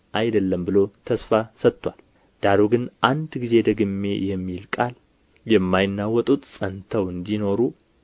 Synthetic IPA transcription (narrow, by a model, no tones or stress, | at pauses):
ʔajd̪əlːəmbɨlo̞t̪ʰəsfasət̪ːʷal | d̪̥aɾoɡɨnʔand̪ɡize̞d̪əɡɨmːe̞jɛmːilkʼal | jɛmːajɪnːawɔt̪ʼut̪ʼsʼənt̪ʰəwɨnd̪ino̞ɾu